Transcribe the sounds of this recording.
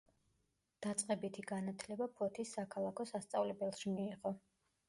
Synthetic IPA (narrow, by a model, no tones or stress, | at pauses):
d̪̥at̪sʼqʼɛbit̪ʰiɡanat̪ʰlɛbapʰɔt̪ʰisːakʰalˠakʰɔsast̪sʼavlɛbɛlˠʃimiːʁɔ